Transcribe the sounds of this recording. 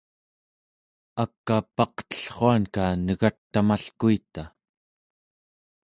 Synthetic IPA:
akːapɑqt̪ə̥ɬχoankanəɣat̪ːamaɬkuit̪a

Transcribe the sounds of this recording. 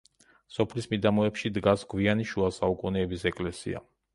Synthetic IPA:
sɔpʰlismid̪amɔɛpʃid̪ɡasɡwianiʃuasaukʼunɛːbisɛkʼlɛsḭa̰

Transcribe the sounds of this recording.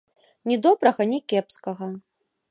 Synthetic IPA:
nʲid̪ɔbɾɐɣɐnʲikʲɛpskɐɣɐ

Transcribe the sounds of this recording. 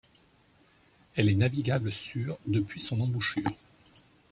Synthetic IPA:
ɛlɛnaviɡʲabləsyːʁd̪əpɥisɔ̃nɑ̃buʃyːʁ

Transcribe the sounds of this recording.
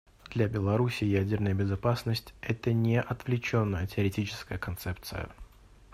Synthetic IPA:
d̪lʲabʲɪlˠɐɾusʲɪjædʲɪrnəjəbʲɪzɐpasnəsʲtʲɛt̪ənʲɪʔɐt̪vlʲɪt͡ɕonːəjətʲɪəɾʲɪtʲit͡ɕɪ̥skəjəkɐnt̪sɛpt̪sɨ̰jə̰

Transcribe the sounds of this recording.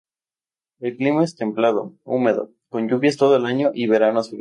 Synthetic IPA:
e̞lklimae̞st̪e̞mplað̞o̞̰ṵme̞ðo̞̰ | ko̞ɲɟuβjast̪o̞ðoelaɲo̞ʔiβeɾanasfil

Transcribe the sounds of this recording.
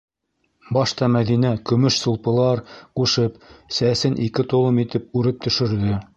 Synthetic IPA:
bɑʃt̪ɑmæðinækɵ̆mɵʃsŏlˠpɤ̆lˠɑɾquʃɤpsæsɘnʔikɘt̪ŏlˠɤmit̪ɘp̚ʉɾɘp̚t̪ɵ̆ʃɘ̆ɾðɵ

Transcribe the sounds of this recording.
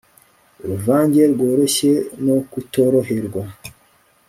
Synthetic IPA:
uɾuvaːɲɟe̞ɾɡo̞ːɾo̞ɕe̞no̞kuto̞ɾoɦeɾɡwa

